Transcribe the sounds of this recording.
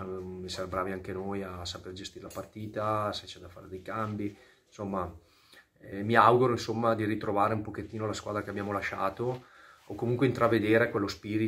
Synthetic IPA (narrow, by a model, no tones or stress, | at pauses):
misɛrbɾaːviaŋkenojasaperd͡ʒest̪iːɾelapart̪iːt̪aset͡ʃɛd̪afa̰ːɾed̪ejkambi | somːa | miawɡuɾoinsomːad̪iɾit̪ɾovaːɾeumpoket̪ːiːnolaskwaːd̪ɾakeabjaːmolaʃaːt̪o | okːomuŋkweint̪ɾaved̪eːɾekwelːospiːɾi